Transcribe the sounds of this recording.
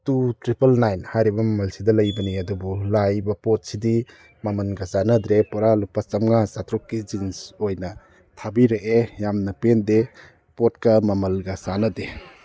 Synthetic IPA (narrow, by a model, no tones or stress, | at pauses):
tutɾipɐlnajnhajɾibɐmɐmɐlsidɐlɐjbɐniɐdubulajbɐpɔt̚sidi | mamɐnɡasanɐdɾepɔɾalupːat͡ʃɐmŋasatɾɔkːid͡ʒinsojnɐ | tʰabiɾeʔejamnɐpende | pɔt̚kɐmɐmɐlɡasanɐde